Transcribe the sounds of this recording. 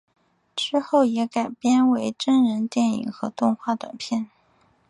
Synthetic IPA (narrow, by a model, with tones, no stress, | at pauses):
ʈ͡ʂɻ̩˥xo˥˩ʊjɛ˧˥ka˨˩ɪpjɛ˥nwe˧˥ɪʈ͡ʂə˥nɻə˧˥nt̪jɛ˥˩nḭ˨˩ŋxɤ˧˥t̪ʊ˥˧ŋxwa˥˩t̪ɤ̰˨˩ŋpʰjɛ˥˩n